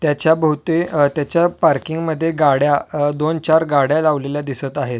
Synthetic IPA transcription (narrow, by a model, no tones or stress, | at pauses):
t̪jat͡ɕjabəɦut̪et̪jat͡ɕjapaɾkiŋɡməd̪ʱːjeɡaɽjad̪ont͡ɕaɾɡaɽjalaʋleljad̪isət̪aɦet̪